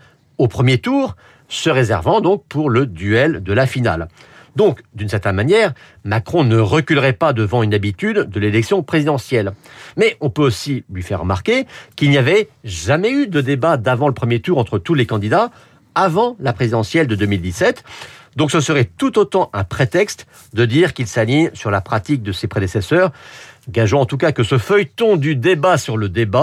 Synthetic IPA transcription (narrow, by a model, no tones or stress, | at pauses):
opχəmjet̪uːʁ | səʁezɛ̰ʁvɑ̃d̪ɔ̃k̚puʁləd̪yɛld̪əlafina̰ld̪ɔ̃kd̪ynsɛʁt̪ɛnmanjɛːʁ | makχɔ̃nəʁəkʲylʁɛpad̪əvɑ̃ynabit̪yd̪ːəlelɛksjɔ̃pχezid̪ɑ̃sjɛlmɛʔɔ̃pøosilɥifɛ̰ʁːəma̰ʁkʲekilnijavɛʒamɛyd̪əd̪ebad̪avɑ̃ləpχəmjet̪uʁɑ̃t̪χət̪ulekɑ̃d̪id̪a | avɑ̃lapχezid̪ɑ̃sjɛld̪əd̪ømild̪isɛt̪d̪ɔ̃ksəsəʁɛt̪ut̪ot̪ɑ̃ʔɛ̃pχet̪ɛkst̪ | d̪əd̪iʁkʲilsaliɲsyʁlapχat̪ik̚d̪əsepχed̪esɛsœːʁɡaʒɔ̃ɑ̃t̪ukakəsəfœjt̪ɔ̃d̪yd̪ebasyʁləd̪eba